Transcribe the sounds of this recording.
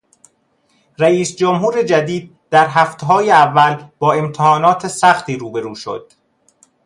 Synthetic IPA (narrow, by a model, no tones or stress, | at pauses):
ɾæiːsd͡ʒomɦuːɾe̞d͡ʒæd̪iːd̪̚d̪æɾɦæft̪ʰeɦɒːjeævːælb̥ɒːe̞mt̪ʰehɒːnɒːt̪ʰesæxt̪iːɾuːbe̞ɾuːʃo̞̰d̪̥